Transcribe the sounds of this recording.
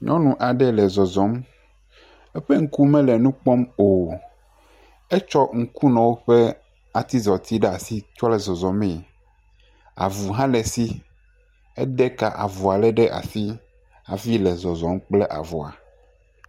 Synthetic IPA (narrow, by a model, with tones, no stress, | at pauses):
ɲʔɔ̃˦nũ˨ʔa˨ɖɛ˦lɛ˨zɔ˨zɔ˨˦m | ɛ˦ɸɛ˦ŋ̩˦ku˦mɛ̃˦lɛ˨nũ˦k͡pɔ˦mo˨ | ɛ˦t͡ʃɔ˦ŋ̩˦ku˦nɔ̃˨wo˦ɸɛ˦ | a˨t̪i˦zɔ˨t̪i˦ɖɛ˦a˨si˦t͡ʃɔ˦lɛ˨zɔ˨zɔ˨me˨ | a̰˨vu˨ɦã˦lɛ˨si˦ | ɛ˦ɖɛ˦ka˨ʔa̰˨vɔ˨a˨lɛ˦ɖɛ˦ʔa̰˨si˦ | a̰˨vi˦lɛ˨zɔ˨zɔ˨˦mk͡plɛ˦ʔa̰˨vo˨a̰˨